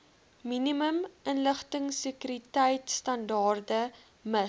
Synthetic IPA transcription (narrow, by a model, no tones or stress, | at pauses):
miniməmʔənləχtəŋsekyɾitɛjtstɐndɑːrdə | mə